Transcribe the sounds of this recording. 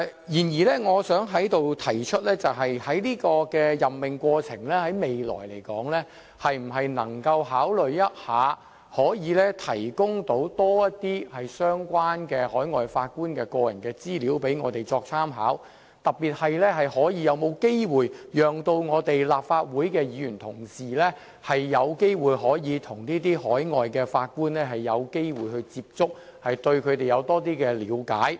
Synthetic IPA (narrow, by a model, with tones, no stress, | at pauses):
jiː˨˩njiː˨˩lɛ˥ŋɔː˨˧sœː˨˥ŋɦɐ˨˥jt̪o˨wt̪ʰɐ˨˩jt͡ʃʰɵ˥t̚lɛː˥t͡sɐ˨wɦɐ˨jhɐ˨˥jliː˥kɔː˧kɛː˧jɐ˨mːɪ˨ŋkʷɔː˧t͡sʰɪ̰˨˩ŋlɛː˥hɐ˨˥jme˨jlɔ̰ː˨˩jle˨˩jkɔ̰ː˨˥ŋlɛː˥ | hɐ˨jm̩˨˩ɦɐ˨jnɐ̰˨˩ŋkɐ˧wɦaː˨˥wlɵ˨ɥjɐ˥t̚haː˨˧ | hɔː˨˥jiː˨˧lɛː˥t̪ʰɐ˨˩jkʊ˥ŋt̪o˨˥wt̪ɔː˥jɐ˥tt̪iː˥hɐ˨jsœː˥ŋkʷwaː˥nkɛː˧hɔː˨˥jŋɔː˨jfaː˧t̚kuː˥nkɛː˧kɔː˧jɐ˨˩nkɛː˧t͡siː˥liː˨˥wpe˨˥jŋɔː˨˧t̪e˨jt͡sɔː˧k̚t͡sʰaː˥mɦa̰ː˨˥w | t̪ɐ˨p̚pːiː˨t̚hɐ˨jlɛː˥hɐ˨jhɔː˨˥jiː˨˧jɐ˨˧wmo˨˧wke˥jwuː˨˩jjœː˨ŋt̪o˧wŋɔː˨˧t̪e˨jlaː˨p̚faː˧t̚wuː˨˥jkɛː˧jiː˨˧jyː˨˩nt̪ʰʊ˨˩ŋsiː˨lɛː˥ | hɐ˨jːɐ˨˧wke˥jwuː˨jɦɔː˨˥jiː˨˧t̪ʰʊ˨˩ŋniː˥t̪iː˥ɦɔː˨˥jŋɔː˨jkɛː˧faː˧t̚kuː˥nlɛː˥ɦɐ˨jːɐ˨˧wke˥jwuː˨˩jhɵ˧ɥt͡siː˧p̚t͡sʊ˥k̚hɐ˨jt̪ɵ˧ɥkʰɵ˨˧t̪e˨jɐ˨˧wt̪ɔː˥t̪̬iː˥kɛː˧lḭː˨˥wka̰ː˨˥j